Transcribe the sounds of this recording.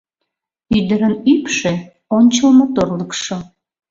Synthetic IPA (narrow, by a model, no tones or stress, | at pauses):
yd̪əɾənypʃe | onʲt͡ɕəlmot̪orləkʃo